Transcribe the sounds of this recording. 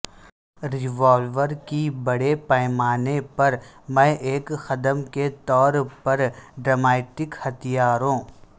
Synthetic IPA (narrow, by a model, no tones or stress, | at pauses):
ɾɪʋɔːlʋəɾkibɐɽepɛɪmaːnepɐɾmɛ̃ːʔeːkxɐd̪əmket̪ɔːɾpɐɾɖɾəmeːʈɪkhɐt̪ijaːɾɦõː